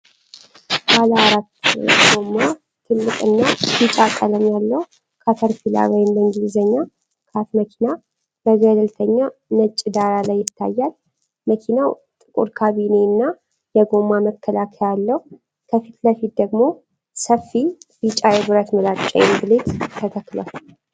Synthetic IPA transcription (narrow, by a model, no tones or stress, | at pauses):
baləaɾat̪ːɡo̞mːa | t̪ʰɨlːɨkʼɨnːajɨt͡ʃʼakʼːələmjalːəhu | kʰat̪ʰəɾfila̰wɔjɪmləŋɡilzəɲːa | kʰat̪məkʰina | bəɡəd̪əlt̪ʰəɲːanət͡ʃʼːɪd̪aɾalajːɪt̪ʰːa̰jːal | məkʰinaw | t̪ʼɨkʼṵɾkʰaβinenːa | jɛɡo̞mːaməkʰːəlakʰəjalːəhu | kʰəfit̪ləfit̪̚d̪əɡmo̞ | səfːibɨt͡ʃʼajɛbɨɾət̪məlat͡ʃʼɛ̰jɡɨlet̪t̪ʰət̪ʰəkːlə̰h